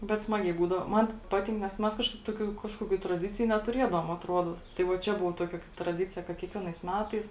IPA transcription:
bʲɛt ˈsmɑːɡʲɛɪ buːdɐʋoː ˈmɐn ˈpɑːtʲɪŋk nʲɛs ˈmʲɛs ˈkɑːʃkɐɪp ˈtoːkʲuː ˈkɑːʃkoːkʲuː trɐˈdʲɪt͡sʲɪjʊ nʲɛtʊˈrʲiɛdɐʋoːm ɐtˈruɔdoː tɐɪ ˈʋɐ ˈt͡ʃʲɛ ˈbʊʋoː ˈtoːkʲɛ trɐˈdʲɪt͡sʲɪjɛ kɐt kʲiɛkˈʋʲiɛnɐɪs ˈmʲæːtɐɪs

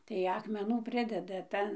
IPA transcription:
tɐɪ ˌɑːkmʲɛˈnuː ˈpʲrʲɪdʲɛdɐ ˈtɐn

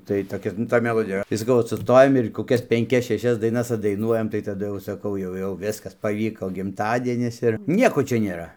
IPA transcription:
tɐɪ toːˈkʲɛ nʊ ˈtoːj mʲɛˈlˠoːdʲɪjɛ iːˈrɐ tɐɪ sɐˈkɐʊ ˈoːt sʊˈstoːjɛm ɪr koːˈkʲɛs pʲɛŋʲˈkʲɛs ʃʲɛˈʃʲɛs dɐɪˈnɐs ɐddɐɪˈnuɔjɛm tɐɪ tɐˈdʊ jɛʊ sɐˈkɐʊ ˈjɛʊ jɛʊ ˈʋʲɪskɐs pɐˈʋʲiːkoː ɡʲɪmˈtɑːdʲiɛnʲɪs ɪr ˈnʲiɛkoː ˈt͡ʃʲɛ nʲeːˈrɐ

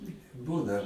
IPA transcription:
ˈbuːnɐ

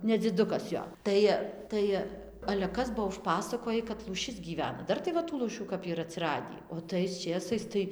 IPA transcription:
nʲɛd͡zʲɪˈdʊkɐs ˈjoː ˈtɐɪ ˈtɐɪ ɐlʲɛ ˈkɐs ˈbuɔ ʊʃˈpɑːsɐkoːjɪ kɐt lˠuːˈʃʲɪs ɡʲiːˈʋʲæːnɐ ˈdɐr tɐɪ ˈʋɐ tuː lˠuːˈʃʲuː kɐp iːˈrɐ ɐtʲsʲɪˈrɑːdʲiː oː tɐɪs ˈt͡ʃʲeːsɐɪs tɐɪ

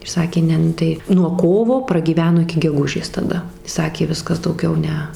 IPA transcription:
ɪr ˈsɑːkʲeː ˈnʲɛ ˈnʊ tɐɪ nuɔ ˈkoːʋoː prɐɡʲiːˈʋʲæːnoː ɪkʲɪ ɡʲɛˈɡʊʒʲeːs tɐˈdɐ ˈsɑːkʲeː ˈʋʲɪskɐs dɐʊˈɡʲɛʊ ˈnʲɛ

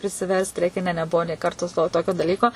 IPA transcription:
pʲrʲɪsʲɪˈʋʲɛrst ˈrʲɛɪkʲɛ ˈnʲɛ nʲɛˈbʊʋoː nʲeː ˈkɐrtoː toː ˈtoːkʲoː dɐˈlʲiːkoː

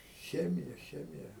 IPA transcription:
ˈxʲæːmʲɪjɛ ˈxʲæːmʲɪjɛ

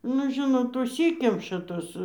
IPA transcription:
nʊ ˈʒʲɪnoːt ʊʃʲˈsʲiːkʲɛmʃɐ ˈtoːs

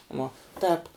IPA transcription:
ˈʋuɔ ˈtʲɛːp

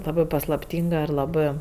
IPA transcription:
ˈlˠɑːbɜ pɐslˠɐpʲˈtʲiːŋɡɐ ɪr lˠɐˈbɜ

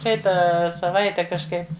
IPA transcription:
ˈprɐɪtɑː sɐˈʋɐɪtʲɛ kɐʃˈkɐɪp

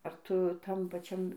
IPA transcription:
ɐr ˈtʊ ˈtɐm pɐˈt͡ʃʲɛm

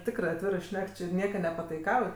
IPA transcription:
ˈtʲɪkrɜ ɐtʲˈʋʲɪrɜ ˈʃʲnʲɛk t͡ʃʲɪ ˈnʲiɛkɐ nʲɛpɐtɐɪˈkɐʊj

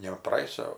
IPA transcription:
nʲɛ prɐˈeːjʊsʲoː

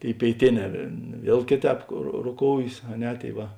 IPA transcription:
ˈtʲeːɪ pʲeːɪˈtʲeːˌnʲɛː ˈʋʲiɛlˠ ˈkʲeːˌtʲɛːp roː roːˈkoːʊjeːs ɐ ˈnʲɛ ˈtʲeːɪ ˈʋɐ

